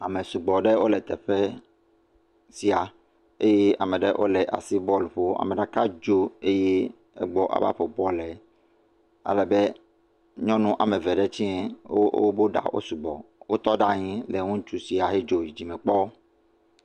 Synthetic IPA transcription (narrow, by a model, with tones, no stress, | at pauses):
a˨mɛ̃˨su˨ɡ͡bɔ˨ɖɛ˦wo˦lɛ˨t̪ɛ˨ɸɛ˦ | si˨a˨ | e˦jɛ˦a̰˨mɛ̃˨ɖɛ˦ʔo̰˦lɛ˨ʔa̰˨si˦bɔ˦lɸo˦a̰˨mɛ̃˨ɖa˦ka˦d͡ʒo˦e˦jɛ˦ | ɛ̰˦ɡ͡bɔ˦ʔa̰˨ba̰˦ɸɔ˨bɔ˦lɛ˨ | a̰˦lɛ˨bɛ˦ | ɲɔ̃˦nũ˦ʔa̰˨mɛ̃˨vɛ˨ɖɛ˦t͡ɕĩ˦ɛ˨o˦o̰˦bo˦ɖa̰˨wʔo̰˦su˨ɡ͡bɔ̰˨wo˦t̪ɔ˦ɖa˦ɲĩ˦lɛ˨ŋũ˦t͡ʃu˦si˨a˨ɦe˦d͡ʒo˨i˨d͡ʑi˨mɛ̃˨k͡pɔ˦